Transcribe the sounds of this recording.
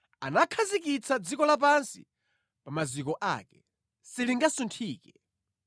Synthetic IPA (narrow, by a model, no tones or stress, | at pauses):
anakʰazikit͡sʰad͡zikɔlap̬ansḭ | pamazik̬ɔʔa̰ːkɛ | siliŋɡasuntʰiːkɛ